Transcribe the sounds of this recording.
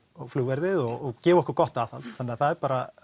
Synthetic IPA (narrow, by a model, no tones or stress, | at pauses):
ɔfluːvɛɾðɪðɔɔɣcɛːvɔhkʏɾkɔht̪aːθalt̪θanːɪaθaðɛɾpaːɾa